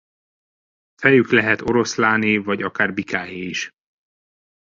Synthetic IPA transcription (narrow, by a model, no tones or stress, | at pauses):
fɛjyklɛɦɛt̪o̞ɾo̞slaːnivɒɟɒkaːrbikaːjeːiʃ